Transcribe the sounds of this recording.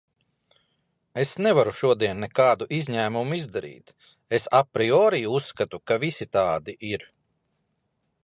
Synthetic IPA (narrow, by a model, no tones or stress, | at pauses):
esnɛvaɾuʃuɔd̪iɛnːɛkɑːd̪uʔizʲɲæːmumuizd̪aɾḭːt̪ | esapɾiɔːɾiːusːkat̪ukavisit̪aːd̪iʔiɾ